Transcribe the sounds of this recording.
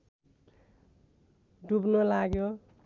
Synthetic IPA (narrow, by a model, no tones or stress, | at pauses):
ɖubnolaɡjo